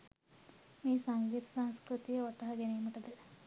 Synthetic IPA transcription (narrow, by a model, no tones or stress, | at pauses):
miːsɐŋɡiːt̪sãːnskɾut̪ijɐʋɐʈːɐɦɐɡenejmiʈɐd̪e